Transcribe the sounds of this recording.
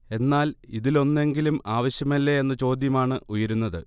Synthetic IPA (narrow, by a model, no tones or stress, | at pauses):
e̞nːaːliðilo̞nːe̞ŋɡilumaːʋɐɕjɐmɐlːeenːɐt͡ɕo̞ːd̪jɐmaːɳɨʔujɐɾunːɐðɨ